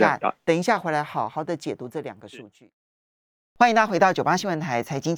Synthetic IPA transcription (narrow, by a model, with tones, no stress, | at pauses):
a˥˩t̪ə˨˩ŋi˧˥ɕ̬ja˥˩xe˧˥ɪla˧ɪxɑ˨˩ʊxɑ˨˩ʊd̪ə˨t͡ɕjɛ˨˩t̪u˧˥ʈ͡ʂɤ˥˩ljɑ˨˩ŋɡə˦ʂu˥˧t͡ɕy˥˩ | xwa˥ni˧ŋt̪ʰa˥xwɪt̪ɑ˥˩ʊt͡ɕjo˨˩a˥ɕi˥ŋwə˧˥nt̪ʰa˧˥ɪt͡sʰa˧˥ɪt͡ɕi˥ŋ